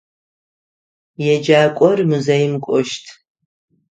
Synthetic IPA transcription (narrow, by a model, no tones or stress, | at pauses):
jɛd͡ʒaːkʷʼɔrmuzɐjɪmkʷʼɔʃtʰ